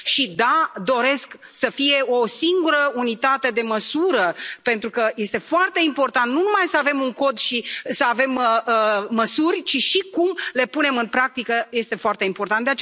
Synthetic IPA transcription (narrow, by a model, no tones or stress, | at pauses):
ʃid̪ad̪o̞ɾe̞sk | səfije̞osiŋɡuɾəunit̪at̪e̞d̪e̞məsuɾəpent̪ɾukəje̞st̪e̞foart̪e̞impo̞rt̪ant̪nunumajsəave̞muŋko̞d̪ʃisəave̞məəːəsurʲt͡ʃiʃikumle̞pune̞mɨnpɾak̚t̪ikəje̞st̪e̞foart̪e̞impo̞rt̪ant̪d̪eat͡ʃ